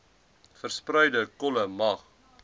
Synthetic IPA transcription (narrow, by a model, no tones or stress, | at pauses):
fərsprɛjdəkɔləmɐχ